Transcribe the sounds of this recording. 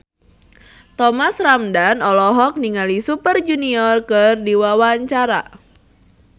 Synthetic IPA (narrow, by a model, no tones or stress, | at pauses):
t̪ɔmasramdanɔlɔɦɔk̚niŋalisupərd͡ʒuniɔrkɨrdiwawaɲt͡ʃaɾa̰